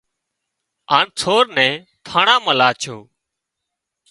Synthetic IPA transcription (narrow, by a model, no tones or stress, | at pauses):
aːnt͡sʰoːɾnɛ̃ː | t̪ʰaːɳãːməlaːt͡ʃʰoː